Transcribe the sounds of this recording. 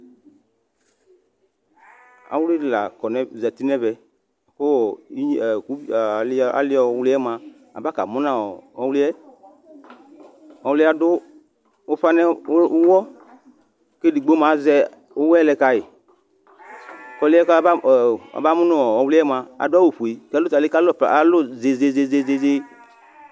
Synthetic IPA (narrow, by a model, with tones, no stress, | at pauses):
a̰˨wu˦li˦˨la̰˨kɔ˨nɛ̃˨za˨t̪i˦nɛ̃˦vɛ˨ | ko˦ɔ˨i˦˨ku˨˦˨la̰˨˦lɪ˦ɔ˨˦wlɪ˦ɛ˦mã˨ | a̰˨ba˦ka̰˨mũ˦nã˨ɔ˨ɔ˨˦wli˦ɛ˦ | ɔ˨wli˦a˨dʊ˦ | o˦fa˦nɛ̃˦wɔ˦ | ke˦di˨ɡ͡bo˦mã˨˦zɛ˦ | o˦wɛ˦lɛ˨ka˨jɪ˨ | kɔ˨lɪ˦ɛ˦ka˦˨a̰˨ba˦mʊ̃˦nɔ̃˦ɔ˨ɔ˨wlɪ˦ɛ˦mã˨a̰˨dʊ˦a˦wo˨ɸo˨i˨klʊ˦ta˨e˦ka˦lɔ˦˨pa˨lʊ˦ze˨ze˨ze˦ze˦ze˦ze˦